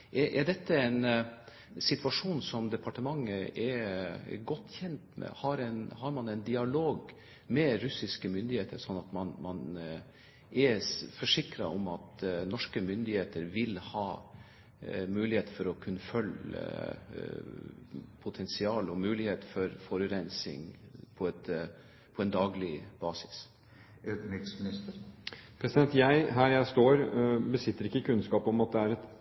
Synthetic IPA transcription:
ʔɛʔɛɖɛt̪ʰːəɛn | sɪt̪ʰʋɑʂuːnsɔmd̪ɛpʰɑʈəmɑŋːəɛɾ̰ɡɔt̪ːçɛnt̪mɛ̰hɑɾɛnhɑɾmɑnɛnd̪ɪɑloːɡ | mɛɾʉsɪskəmʏnd̪ɪheːt̪ʰəɾʂɔnːɑt̪mɑnmɑn | ʔɛɾfɔʂɪkɾɑ̰ɔmɑt̪nɔʂkəmʏnd̪ɪheːt̪əɾʋɪlhɑː | mʉːlɪheːt̪fɔɾɔkʰʉnːəfœlə̰ | pʰʊt̪ʰɛnsɪɑːlɔmʉːlɪheːt̪fɔɾfɔɾʉɾɛnsɪ̰ŋpʰɔɛt̪ | pʰɔɛnd̪ɑːɡlɪb̥ɑːsɪ̥s | ʉːt̪ɪksmɪnɪst̪əɾpʰɾɛsɪd̪ɛnt̪jæɪɦæːɾjæɪst̪oːɾbəsɪt̪ːəɾɪkːəkʰʉnskɑːpɔmɑt̪̚d̪ɛæɾɛt̪

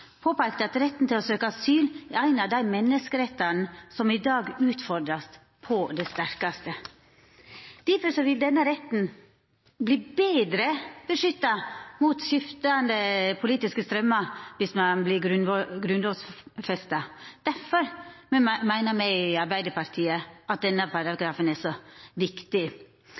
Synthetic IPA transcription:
pʰoːpæɪkt̪əɑt̪ɾɛt̪ːn̩t̪ɪlɔsøːkəɑsyːlɛæɪnɑʋd̪æɪmɛnːəskəɾɛt̪ːɑnsɔmɪd̪ɑːɡʉːt̪fɔɾd̪ɾɑs | pʰɔd̪ɛst̪æɾkɑst̪ə | d̪̥æɾfɔɾʂɔʋɪld̪ɛnːəɾɛt̪n̩ | bliːbeːd̪ɾəb̥əʂʏt̪ːɑmuːt̪ʃɪft̪ɑnd̪əpʰʊliːt̪ɪskəst̪ɾœmːɑʋɪsmɑnblɪɡɾʉnɡɾʉnlɔːsfɛst̪ɑd̪̥æɾfɔɾ | mæɪnəmɛɪɪɑɾbæɪd̪əɾpɑɾt̪ʰiːəʔɑt̪̚d̪ɛnːəpʰɑɾɑɡɾɑːfənɛsɔʋɪkt̪ɪ

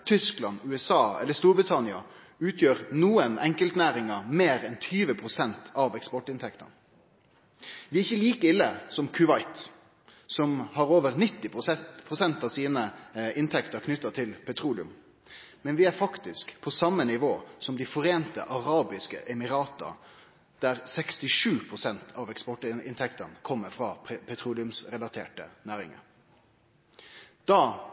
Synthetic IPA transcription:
t̪ʰʏsklɑnʉɛsɑːɛ̰lːəst̪uːɾbʁɪt̪ʰɑnɪɑ̰ | ʉːt̪ʰjøːɾnuːənɛŋkəlt̪næːɾɪŋəmeːɾɛnt̪ʰyːʋəpʰʁʊsɛnt̪ʰɑʋɛkspɔʈɪnt̪ʰɛkt̪ə̰n | ʋɪɪçːəliːkəɪlːəsɔmkʰʉʋɑɪt̪ | sɔmhɑɾoːʋəɾnɪt̪ːɪpʊpʰʁʊsɛnt̪ɑʋsiːnəɪnt̪ʰɛkt̪əɾkʰnʏt̪ːɑt̪ʰɪlpʰɛt̪ʰɾuːlɪʉ̰m | mɛnʋɪæɾfɑkt̪ɪskpʰɔsɑmːənɪʋoːsɔmd̪ɪfɔɾeːnt̪ə̰ʔɑʁɑːbɪskə̰ʔɛmɪɾɑːt̪ə̰ | d̪̥æɾsɛkst̪ɪʂʉːpʰʁʊsɛnt̪ʰɑʋɛkspɔʈɪ̰nt̪ʰɛkt̪ənkʰɔmːəfɾɑːpʰɛt̪ʰɾuːlɪʉmsɾɛlɑt̪ʰḛːʈə̰næːɾɪ̰ŋə̰ɾ | d̪̥ɑː

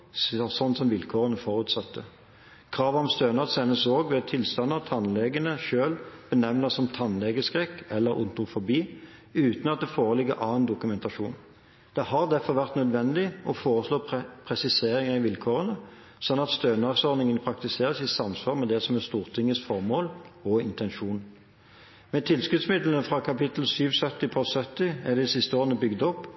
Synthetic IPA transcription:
sɔnːsɔmʋɪlkʰoːʁənəfɔʁʉːt̪sɑt̪ːə | kʰʁɑːʋɔmst̪øːnɑʁsɛnːəsoːɡʋɛt̪ʰɪlst̪ɑnːɑt̪ʰɑnlɛɡənəʃøːlb̥ənɛʋnəsɔmt̪ʰɑnlɛɡəskʁɛkːɛlːəɾʊ̰nt̪ʊʁfʊbiː | ʉːt̪nɑt̪̚d̪ɛfoːʁəlɪɡːəɾʔɑːnd̪ʊkʉmɛnt̪ɑʂuːn | d̪̥ɛhɑʁd̪æfɔʁʋæʁt̪nœd̪ʋɛnd̪ɪʔɔfoːʁəsloːppʰʁɛsɪseːʁɪŋəʁɪʋɪlkʰoːʁənə | sɔnːɑt̪st̪øːnɑsɔʁnɪŋənpʰɾɑk̚t̪ɪseːʁəsɪsɑmsʋɑːʁmɛd̪ɛsɔmɛst̪uːʁt̪ʰɪŋːəsfɔʁmoːlɔɪnt̪ɛnʂuːn | mɛt̪ʰɪlskʉt̪smɪd̪lənfʁɑkʰɑpɪt̪l̩syːʋsœt̪ːɪpʰɔsœt̪ːɪɛd̪ɛd̪ɪsɪst̪əoːʁənəbʏɡd̪ɔpː

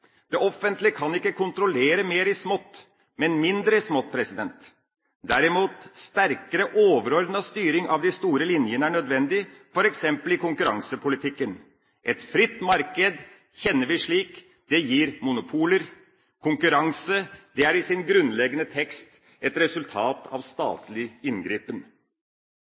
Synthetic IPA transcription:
d̪̥ɛʔɔfənt̪lɪəkʰɑnɪkːəkʰʊnt̪ɾʊleːɾəmeːɾɪsmɔt̪ː | mɛnmɪnd̪ɾəɪsmɔt̪̚pʰɾɛsɪd̪ɛnt̪ | d̪æɾɪmuːt̪st̪æɾkəɾəʔoːʋəɾɔɾd̪nəst̪yːɾɪŋɑʋd̪ɪst̪uːɾəlɪnjənəæɳœd̪ʋɛnd̪ɪfɔɾɛksɛmpəlɪkʊŋkʉɾɑ̰ŋsəpʰʊlɪt̪ʰɪkːən | ʔɛt̪fɾɪt̪ːmɑɾkəd̪ | çɛnːəɾʋɪʂɭiːk | d̪̥ɛjiːɾmʊnʊpʰuːləɾ | kʰʊŋkʉɾɑŋsəd̪̥ɛæɾɪsɪnɡɾʉnlɛɡənət̪ʰɛkst̪ | ɛt̪ɾɛsʉlt̪ʰɑːt̪ɑ̰ʋst̪ɑ̰ːt̪ʰlɪɪnɡɾiːpən

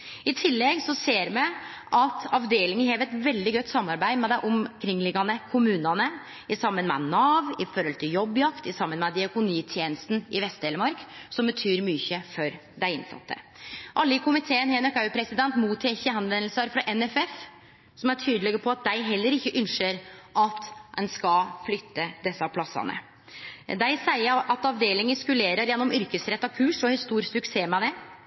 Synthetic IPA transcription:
ɪt̪ʰɪlːɛɡsɔseːɾmɛ | ʔɑt̪ʰɑʋd̪eːlɪŋənɦeːʋɛt̪ʋɛld̪ɪɡœt̪ːsɑmːɑɾbæɪmɛd̪æɪʔʊmkʰɾɪŋːlɪɡɑnəkʰʊmʉːnɑnə | ɪsɑmːənmɛ̰nɑːʋɪfɔɾɔlt̪ʰɪljɔbːjɑkt̪ɪsɑmːənmɛd̪ɪɑkʊniːt̪ʰjeːnəst̪n̩ɪʋɛst̪̚d̪eːləmɑɾksɔmbət̪ʰyːɾmyːçəfɔɾ | d̪æɪɪnsɑ̰t̪ʰːə̰ʔɑlːəɪkʰʊmɪt̪ʰeːənɦeːnɔkɑʉpʰɾɛsɪd̪ɛnt̪muːt̪ʰːɛːçəɑnʋɛnlsəɾfɾɑʔɛnɛfɛf | sɔmæʈʰyːd̪əlɛɡəpʰɔɑt̪̚d̪æɪɦɛlːəɾɪçːəʔʉnʃəɾʔɑt̪d̪ɛnskɑflʏt̪ːəd̪ɛsːɑpʰlɑsːɑ̰nə̰ | d̪æɪsæɪəʔɑt̪ɑʋd̪eːlɪŋɪskʉleːɾəɾjɛnːɔmʏɾkəsɾɛt̪ːɑkʰʉːʂɔhɪst̪uːɾsʉkseːmɛd̪ɛ

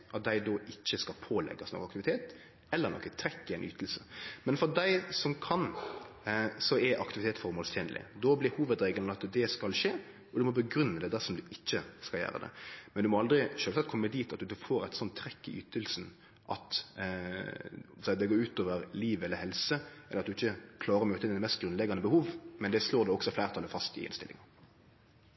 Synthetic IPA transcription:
ʔɑt̪̚d̪æɪd̪ɔʔɪçːəskɑlpʰoːlɛ̰ɡːɑsnɔ̰kːɑkt̪ɪʋɪt̪ʰeːt̪ | ɛlːəɾnɔ̰kːət̪ʰɾɛkːɪæɪny̰ːt̪əl̩səmɛnfɔɾd̪æɪsɔmkʰɑn | sɔɛɾʔɑ̰kt̪ɪʋɪt̪eːt̪sfɔɾmoːlst̪ʰjeːnəlʔɪ̰d̪ɔblɪɾhuːʋəd̪ɾeːɡəlɑt̪d̪ɛskɑlʃeː | ɔd̪ʉmɔbəɡɾʉnːəd̪ɛd̪æɾsɔmd̪ʉɪçːəskɑljæ̰ːɾə̰d̪ɛ̰mɛnd̪ʉmɔɑld̪ɾɪʃøːlsɑt̪̚kʰɔmːəd̪iːt̪ɑt̪d̪ʉfoːɾæɪt̪sɔnt̪ʰːɾɛkːɪy̰ːt̪əlsn̩ | ʔɑ̰t̪ | sɛɪɑd̪ɛɡoːʉːt̪oːʋəɾliːʋɛlːəɾhɛlsəɛləɾɑt̪d̪ʉɪçːəkʰlɑːɾəɾɔmøːt̪əɪnɛt̪mɛst̪̚ɡɾʉnlɛɡːɑnəbəhuːʋmɛnd̪ɛsloːɾd̪ɛɔksɔflæɪɾt̪ʰɑlːəfɑst̪ɪ̰ɪ̰nst̪ɪlɪ̰ŋɑ

